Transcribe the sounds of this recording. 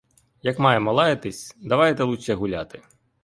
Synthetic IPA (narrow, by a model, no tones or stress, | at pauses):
jɐkmɑjɛmɐlˠɑjet̪ɪsʲd̪ɐʋɑjet̪ɛlˠut͡ʃɛɦʊlʲat̪ɪ